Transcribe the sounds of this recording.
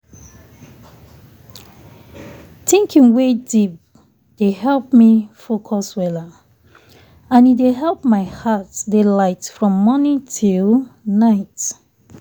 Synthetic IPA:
tɪ̃ŋkʰĩŋwedip̚ | d̥eɦɛlˠpmifokʰɔswɛla | ãnideɦɛlˠpmaɪhatdelaɪtfɹɔ̃mːɔnĩntʰilnaɪt

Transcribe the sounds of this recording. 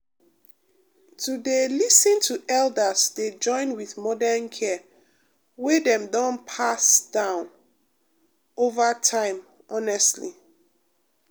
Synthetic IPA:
tʰudelisĩntʰuʔɛldəsded͡ʒɔ̃ɪ̃nwiθmɔdankʰɛ | wedɛ̃mdɔ̃npʰasd̥ãʊ̃n | ovatʰãɪ̃m | ʔɔnɛstlḭ

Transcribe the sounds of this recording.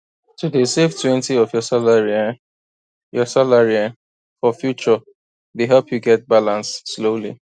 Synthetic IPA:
tudeseftʰwɛ̃ntiɔvjɔsalaɹi | jɔsalaɹiɛn | fɔfjut͡ʃə | deɦɛlpjuɡɛt̚balãnssloli

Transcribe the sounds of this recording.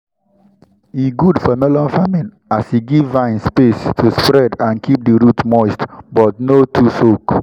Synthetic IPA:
iɡudfɔmɛlɔ̃nfamĩn | asiɡivːãɪ̃nspestʰuspɹɛdãnkʰip̚diɾutmɔɪstbɔtnotʰusok

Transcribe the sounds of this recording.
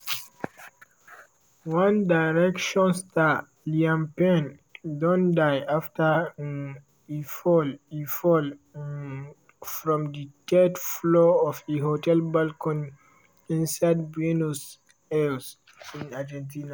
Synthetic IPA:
wãndajɹɛkʃɔ̃nsta | liãmpɛ̃n | dɔ̃ndajaftə | ifɔlifɔl | fɹɔ̃mditʰɛtflɔɔfeɦotɛlbalkɔ̃n | ĩnsad̚benus | ɛls | ĩnad͡ʒɛ̃ntina

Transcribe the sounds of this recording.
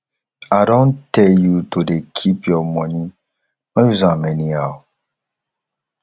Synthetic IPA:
adõntɛjutodekʰipjɔmɔni | mɛ̃juzãmɛnia

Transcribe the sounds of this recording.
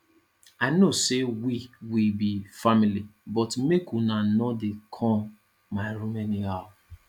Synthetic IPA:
aɪnosewiwibifamilibɔtmekunanɔdekʰɔ̃m | maɪɾumɛnia

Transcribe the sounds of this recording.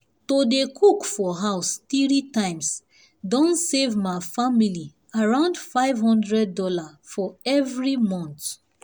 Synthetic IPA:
todekʰukfɔɦaʊstiɾitãɪ̃ms | dɔ̃nsevmaɪfamili | aɹãʊ̃ndfaɪvɦɔ̃ndɹɛd̚ːɔlafɔɛvɹimɔ̃nt

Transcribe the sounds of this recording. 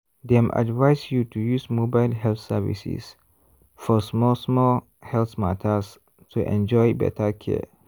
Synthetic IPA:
dɛ̃mʔa̰dvajsjutʰujusmobaɪlɦɛltsəvḭsḭs | fɔsmɔlsmɔl | hɛlθma̰tʰəs | tʰuʔɛ̰̃nd͡ʒɔjbɛ̰tʰəkʰɛ̰

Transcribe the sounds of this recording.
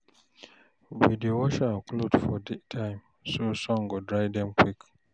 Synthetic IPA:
vidiowoʃaklodfɔdɛtʰãɪ̃m | sosɔ̃ŋɡodɾajdɛ̃mkwik

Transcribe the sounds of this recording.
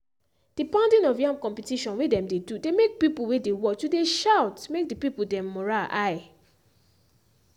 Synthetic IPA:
d̥ipãʊ̃ndĩnɔfjãmkɔ̃mpɛtiʃɔ̃nwedɛ̃mdedudemek̚pipulwedewɔt͡ʃudeʃawtmek̚dipipudɛ̃mːɔɹalaj

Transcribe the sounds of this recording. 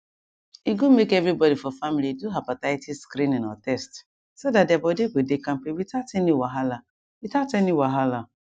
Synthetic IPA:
iɡumekɛvɾibɔdifɔfamiliduɦapatatiskɾĩnĩna̰tɛst | sodat̚dɛabɔdeɡedekãmpiwitatɛniwaɦala | witatɛniwaɦala

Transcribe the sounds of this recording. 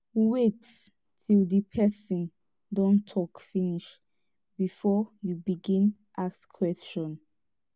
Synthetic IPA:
wet | tʰildəpʰɛsĩn | dɔ̃ntʰɔkfiniʃ | bifɔjubiɡĩn | ʔakskʰwɛst͡ʃɔ̃n

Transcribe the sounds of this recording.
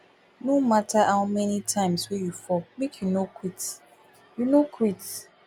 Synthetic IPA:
nomatʰahawmɛnitʰãɪ̃mswejufɔmekʰjunokʰwit | junokʰwit

